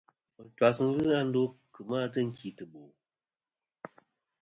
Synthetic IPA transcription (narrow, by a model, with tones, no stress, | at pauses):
t͡ʃwa˨sɨ˦ŋ̩˦ɣɨ˦a˦n̩˦do˦kɨ˨maː˦tɨ˦ŋ̩˨kʰi˨tɨ˨bo˨